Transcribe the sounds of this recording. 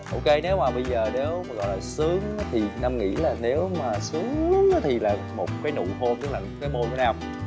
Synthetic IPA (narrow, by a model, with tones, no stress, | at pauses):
ʔo˧ke˧ne˨˦waː˨˩ɓə˧jzəː˨˩ne˨˦waː˨˩ɣɔ̰˧˨jlaː˨˩sɨ˨˦əŋaː˨˦t̪ʰi˨˩na˧mŋḭ˧˥laː˨˩ne˨˦wmaː˨˩sɨ˨˦əŋ˦ŋaː˨˦t̪ʰi˨˩laː˨˩ | mo˨˩t̚kaː˨˦jnṵ˧˨ho˧mt̪ɨ˦˥k̚laː˨˩˨kaː˨˦jmo˧jka˨˦naː˧˩w